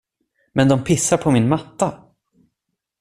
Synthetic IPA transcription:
mɛnd̪ɔmpʰɪsːaɾpʰɔmɪnmat̪ːa

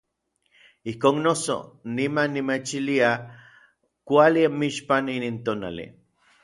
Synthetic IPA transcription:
ihkoːnnoso̰nimanːimet͡ʃilia | kʷaliamiʃpaninint̪oːna̰lḭ

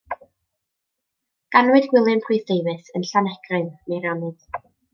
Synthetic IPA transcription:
ɡ̥anwɨdɡwɪlˠɨnpʰrujθdeɨvɨsənɬanɛɡ̥rɨnnerɔnɨd̥

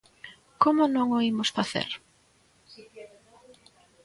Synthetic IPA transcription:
komʊnõŋoimʊsfaθḛɾ

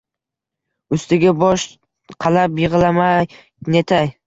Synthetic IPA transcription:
ɵst̪ɪɡʲabɒʃ | qʰɑlˠapjɨʁɨlˠamaj | net̪ʰaj

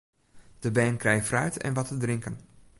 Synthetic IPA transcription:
d̥əbɛːnkrɛjfrœɥtʰɛ̰nʋɔtədrɪŋkən

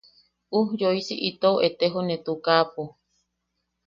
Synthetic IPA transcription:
uhjoisiʔit̪ooʔet̪eɦonet̪ukapo

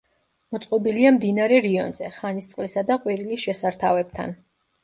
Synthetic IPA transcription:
mɔt̪sʼqʼɔbiliamd̪inaɾɛɾiɔ̰nzɛχanist̪sʼqʼlisad̪aqʼwiɾilisʃɛsaɾt̪ʰavɛb̚t̪ʰa̰n

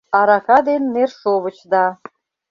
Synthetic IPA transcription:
ɑɾɑkɑd̪enːerʃoβə̆t͡ɕd̪ɑ

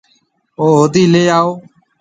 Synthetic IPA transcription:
oːɦod̪iːleːaːoː

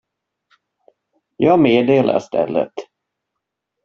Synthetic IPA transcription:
jɑːmeːd̪eeːla̰st̪ɛ̰lːət̪

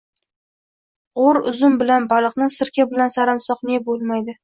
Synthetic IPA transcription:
ʁoɾʊzʊmbɪlanbalˠɨqnɪsɪɾkʲabɪlansaɾansɒqnebolˠmajd̪ɪ

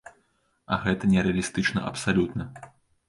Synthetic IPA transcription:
ɐ̰ɣɛt̪ɐnʲɛɾɛɐlʲist̪ɨt͡ʂnɐ̰ʔɐ̰psalʲut̪nɐ

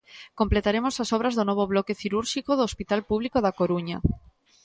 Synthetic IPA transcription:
komplet̪aɾemosasoβ̞ɾazðonɔβ̞oβlɔkeθiɾuɾʃikoðoːspit̪alpuβlikoðakoɾuɲa

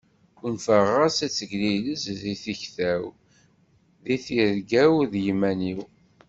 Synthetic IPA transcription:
kunfəʁæsæt͡sːəɡliləzðiθəçθæw | ðiθiɾɡæwðjmæniw

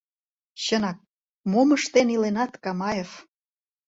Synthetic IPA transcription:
ɕənɑk̚ | moməʃt̪enilenɑt̪kɑmɑjef

